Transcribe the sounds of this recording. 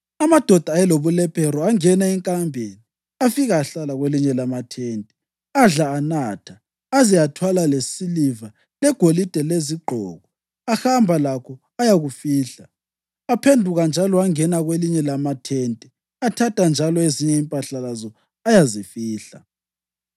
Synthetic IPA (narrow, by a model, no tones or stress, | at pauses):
amad̥ʱɔd̥ʱaɛloβulɛpʰɛɾɔaŋɛnaɛŋkʼambʱeni | afiɣaːɬalaɣweliɲɛlamatʰeːntʼɛ̥ | aɮaːnaːtʰa | azijatʰwalalesiliva | lɛɡ̥ʱolid̥ʱɛleziɡ͡ǃʱɔ̰ːɣɔ | axambʱalakʰɔ | ajaɣufiːɬa | apʰendʱuɣand͡ʒʱalɔaŋɛnaɣweliɲɛlamatʰeːntʼi | atʰatʼand͡ʒʱalɔeziɲɛimpʼaɬalazɔ | ajazifiːɬa̰